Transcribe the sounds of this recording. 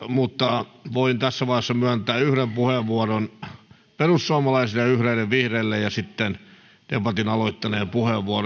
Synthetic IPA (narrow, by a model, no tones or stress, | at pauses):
mut̪ːɑʋoint̪æsːæʋɑihesːɑmyænt̪æːyhɾempuheʋʋuoron | perussuɑmɑlɑisilɑjɑyhɾeilːeʋʋihreːlːejjɑsit̪ːen | d̥̪epɑt̪inɑloit̪ːɑneːmpuheʋːuor